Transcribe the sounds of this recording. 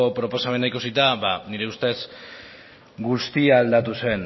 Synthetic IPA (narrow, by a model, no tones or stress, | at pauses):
opɾo̞po̞same̞naikusit̪aβaniɾe̞ust̪e̞s | ɡust̪iaːld̪at̪use̞n